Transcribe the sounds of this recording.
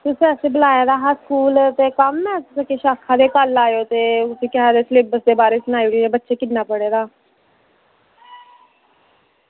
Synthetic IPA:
t̪ʊsẽːəsẽːbəlaːjeːd̪aːɦaskuːlt̪eːkəmnɛ̃ːt̪ʊsẽːkeʃaːkʰãːd̪eːkəlaːjoːt̪eːʊsĩːkɪad̪eːsleːbəsd̪eːbaːɾeːsənaːiɽieːbətːʃeːkɪnnaːpəɽeːd̪aː

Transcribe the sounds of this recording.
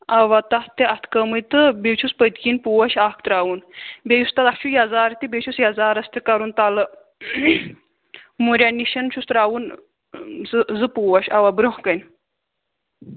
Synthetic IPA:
aʋat̪ɐht̪eʔɐt̪ʰkəmɨjt̪ɨbewt͡ʃʰuspət̪kinpuwɐʃaːkʰt̪ɾaːwunbejust̪at̪ɐkt͡ʃʰujɐzaːɾt̪ibʲet͡ʃʰusjɐzaːɾɐst̪ekɐɾunt̪alə | muɾʲaniʃɐnt͡ʃʰust̪ɾaːwun | zɨzɨpuʋɐʃaʋabɾəhkɐjn

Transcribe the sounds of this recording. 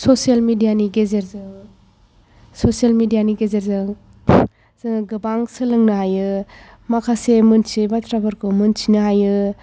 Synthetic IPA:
sosielmidijaniɡezeɾzɯ | sosielmidijaniɡezeɾzɯ | zɡɯbaŋsɯlɯŋnɯɦajɯ | makʰasemɯnsibatɾabaɾkʰɯmɯnsʰinɯɦajɯ

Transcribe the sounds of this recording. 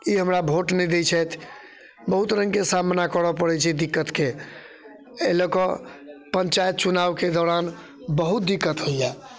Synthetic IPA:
iɦəmɾabʱoʈnɛd̪et͡ʃʰɛt̪ʰ | bəɦut̪ɾə̃ŋɡkesamnakəɽəpəɽɛt͡ʃʰɛd̪ikːət̪ke | eləkɔpənt͡ʃajt̪̚t͡ʃunawked̪ɔɾan | bəɦut̪̚d̪ikːət̪ɦojja

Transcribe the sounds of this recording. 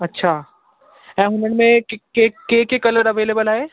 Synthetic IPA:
ɐtːʃʰa | ɛ̃ːɦʊnəɽmẽkkekeːkekɐləɾɐʋeːleːbəlaeː

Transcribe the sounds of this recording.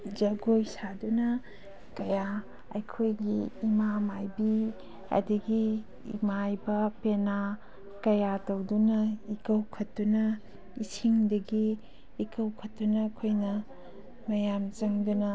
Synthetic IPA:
d͡ʒɐɡojsadunɐ | kɐja | ɐ̰jkʰojɡiːmamajbi | ɐ̰dɐɡi | ḭmajbɐpena | kɐjatɐwdunɐikɐwkʰɐtːunɐ | isiŋdɐɡiː | kɐwkʰɐtːunɐkʰojnɐ | mɐjamt͡ʃɐŋdunɐ

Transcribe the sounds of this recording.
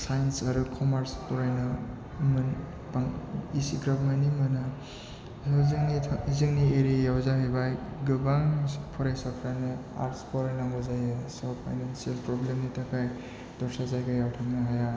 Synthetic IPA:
sajnsaɾukʰɔmaɾspɔɾajnɯ | mɯn | paŋisiɡɾapmajnimɯna | ŋniizɯŋnieɾijawzaɦajbajɡɯbaŋpʰɔɾajsɔkʰɾanɯa̰ɾtspɔɾajnaŋɡɔzajɯsɔpʰajnansialpɾɔblemnitakʰaj | dɔɾsazajɡajawʈʰaŋnaɦaja

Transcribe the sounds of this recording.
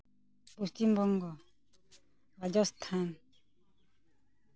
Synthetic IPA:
pust̪imbɔŋɡɔ | bad͡ʒɔst̪ʰan

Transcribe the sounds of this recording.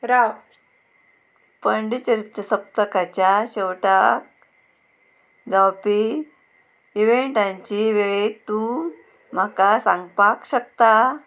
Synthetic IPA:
ɾaw | pəɳɖit͡ɕəɾit̪jəsəp̚t̪əkat͡ɕjaɕɛwʈak̚ | d͡zawpi | iʋeɳʈãɲt͡ɕiʋeɭet̪ũ | m̤akasãŋɡpakɕək̚t̪a

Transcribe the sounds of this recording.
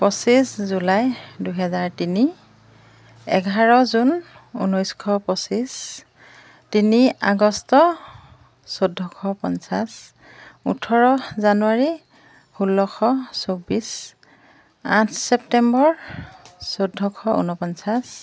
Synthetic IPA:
pɔsiszulajduɦɛzaɹtini | ɛ̰ɡʱaɹɔzun | ṵnɔjskʰɔpɔsis | tinia̰ɡɔstɔ | sodʱɔkʰɔpɔnsas | ṵtʰɔɹɔzanuaɹi | hulːɔkʰɔsobis | ãtʰsɛptɛmbɔɹ | sodʱːɔkʰɔṵnɔpɔnsas

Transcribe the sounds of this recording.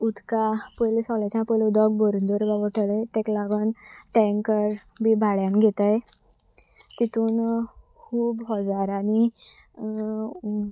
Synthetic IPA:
ud̪kapojlesɔlat͡ɕãpɔjlud̪ɔk̚bɔɾund̪ɔɾɡaʋəʈəlet̪ẽklaɡənʈɛ̃ŋkəɾ | bʱibʱaɭjanɡʱet̪aj | t̪it̪uːn | kʰuːbɦɔd͡zaɾani

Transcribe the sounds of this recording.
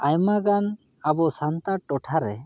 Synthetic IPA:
ajmaɡan | abɔsant̪aʈɔʈʰaɾɛ

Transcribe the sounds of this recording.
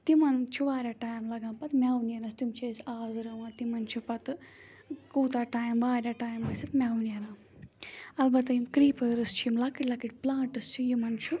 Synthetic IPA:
t̪imɐnt͡ʃʰuʋaːɾʲjaʈaːjmlɐɡãːmpɐt̪mʲawnjɐnɐst̪imt͡ʃʰesaːzɨɾɐmãːt̪imɐnt͡ʃʰupɐt̪ | kuːt̪aʈaːjmbaːɾʲjaʈaːjmɐsʲit̪mʲawnijɐnaː | ɐlbɐt̪ɐjimkɾiːpɐːɾɨst͡ʃʰujimlakiʈlɐkiʈʲplaːʈɨst͡ʃʰujimɐnt͡ʃʰu

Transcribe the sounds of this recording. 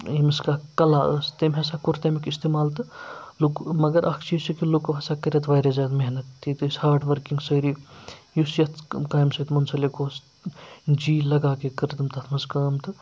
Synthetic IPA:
imiskakɐlaːəst̪emʲɦɐsaːkuɾt̪ɐmikist̪eːmaːlt̪ɨlukmɐɡɐɾʔɐkʰt͡ʃʰiːsikilukʋɐsaːkɐɾʲɐt̪ʋaːjɾezaːt̪meɦnɐt̪ːiːt̪ɨshaːɾʈʋɐɾkiŋɡsəːɾiːjusjɐt̪kaːjmsɐt̪mɐnsɐlekoːs | d͡ʒiːlɐɡaːkekɐɾit̪ɨmt̪ʰɐt̪ʰmɐzkɐːmt̪ɨ

